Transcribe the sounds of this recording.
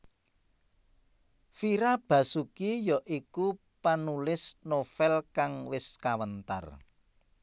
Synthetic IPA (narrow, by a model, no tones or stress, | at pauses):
fiɾab̥ä̤sukijɔʔiku | panulɪsnofɛlkaŋwɪskawənt̪a̰r